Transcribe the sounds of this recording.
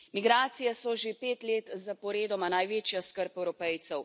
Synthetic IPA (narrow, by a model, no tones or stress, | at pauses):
miɡɾaːt̪sijɛsɔʒepeːt̪leːt̪zapɔɾeːd̪ɔmanajʋeːt͡ʃjaskəɾpɛwɾɔpɛjt̪sɛw